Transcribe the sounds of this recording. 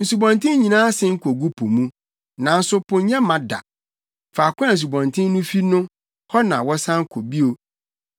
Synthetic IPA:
n̩˨su˨bɔ̃˨ntʰɪ̃˦ɲĩ˨nãː˦sɪ˦ŋ̩˦kʰɔ˨ɡu˦pʰo˨mũ˦ | nã˨n̩˦sʊ˦pʰʊ̃˨ɲɛ̃˦mã˨da̰˨ | fa˨kʊ̃˦a˨s̬u˨bɔ̃˨ntʰɪ̃˦n˦nũ˦fi˦nʊ̃˦ | hɔ˦nã̰˨wɔ˦sã˦ŋ̩˦kʰo˨bi˦o˨

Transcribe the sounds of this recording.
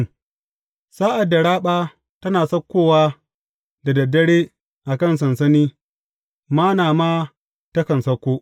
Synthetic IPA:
saː˦ʔa˨dːa˨ɽaː˦ɓaː˦ | tɐ˦naː˨sɐ˦kʷːoː˦waː˦ | da˨dɐ˨dɐ˦ɽeː˦ | ʔa˨kɐ˦˨ns̬ɐ˨nsɐ˦niː˦ | maː˦naː˨maː˦ | tɐ˦kɐ˨nsɐ˦kʷːoː˦ʔ

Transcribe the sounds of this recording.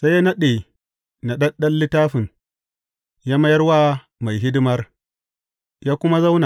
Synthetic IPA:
sa˦jːa˦nɐ˦ɗe˨ | na˨ɗɐ˦nɗɐ˦nːɪ˦taː˦ɸɪ˨n | jaː˦mɐ˦jɐ˦rwaː˦ | ma˨jɦɪ˦dɪ˦mɐ˦r | jaː˦kʷʊ˦ma˦za˦wna˨

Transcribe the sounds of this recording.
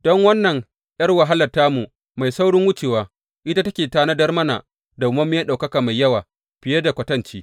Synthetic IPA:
d̥ɔ˦ŋwɐ˦nːɐ˨ŋ | j̰ɐ˦rwa˨ɦa˦lɐ˨rtaː˦mu˨ | ma˨jsa˦wɽɪ˦ŋwʊ˦t͡ʃeː˨waː˦ | ʔɪ˦ta˦tɐ˦kʲeː˨taː˦na˦dɐ˦rmɐ˦na̰˨ | da˨mɐ˦mː˦jaː˦ɗa˨wkɐ˦kaː˨ma˨jːɐ˦waː˨ | ɸɪ˨je˦da˨kʷɐ˨˦tɐ˦nt͡ʃiː˦

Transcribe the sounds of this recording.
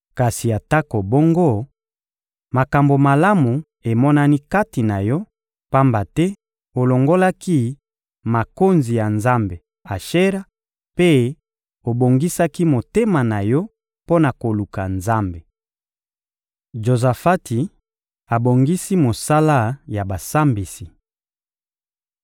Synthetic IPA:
ka˨si˨a˨ta˦ko˨bo˦ŋɡo˦ | ma˨ka˨mbo˨ma˨la˦mu˨ | e˨mɔ˦na˦ni˦ka˦ti˨na˨jɔ˦ | pa˦mba˨tɛ˦ | o˨lo˨ŋɡo˦la˦ki˦ | ma˨ko˦nzi˨ja˨nza˦mbe˨ | a˨ʃe˦ʁa˦ | pe˦ | o˨bo˨ŋɡi˦sa˦ki˦mo˨te˦ma˨na˨jɔ˦ | po˦na˨ko˨lu˨ka˨nza˦mbe˨ | ʒo˨za˨fa˦ti˨ | a˨bo˨ŋɡi˦si˦mo˨sa˦la˦ja˨ba˨sa˦mbi˨si˨

